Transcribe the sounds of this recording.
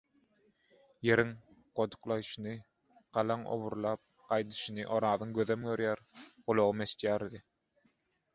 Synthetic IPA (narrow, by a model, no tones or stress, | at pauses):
je̞ɾiŋ | qod̪u̥qlˠɑjʃɯnɯ | qɑlˠɑŋo̰βuɾlˠɑːp̚ | qɑjd̪ɯ̥ʃɯnɯʔoɾɑːðɯŋɡøðømɡøɾjæɾʁolˠoʁumest̪jæːɾd̪i